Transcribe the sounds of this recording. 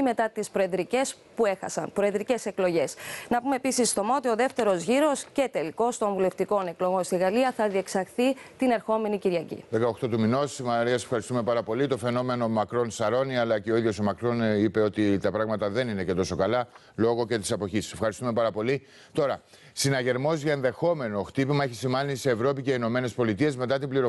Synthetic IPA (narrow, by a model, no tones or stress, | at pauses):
ime̞t̪ɐt̪ispɾoed̪ɾice̞s | pue̞xɐ̰sɐ̰npɾo̞ed̪ɾice̞se̞klo̞ʝe̞snɐpumepisist̪o̞moot̪ioðe̞ft̪e̞ɾo̞zʝiɾo̞sce̞t̪e̞liko̞st̪o̞ɱvule̞ft̪iko̞ne̞klo̞ɣo̞nst̪iɣɐliɐθɐðie̞ksɐɾθit̪ine̞ɾxo̞me̞niciɾʝɐcḭðekɐoxt̪ot̪umino̞smɐɐɾiɐse̞fxɐɾist̪ume̞pɐɾɐpo̞lit̪o̞fe̞no̞me̞no̞mɐkɾo̞nsɐɾo̞niɐlɐce̞oiðʝo̞somɐkɾo̞nipe̞o̞t̪it̪ɐpɾɐɣmɐt̪ɐðe̞ninece̞t̪o̞so̞kɐlɐ | lo̞ɣo̞ce̞t̪i̥sɐpo̞çisse̞fxɐɾist̪ume̞pɐɾɐpo̞li | t̪o̞ɾɐ | sinɐʝe̞ɾmo̞zʝɐe̞nðe̞xo̞me̞no̞xt̪ipimɐeçisimɐniseːvɾo̞pice̞ino̞me̞ne̞spo̞lit̪ie̞zme̞t̪ɐt̪ibliɾo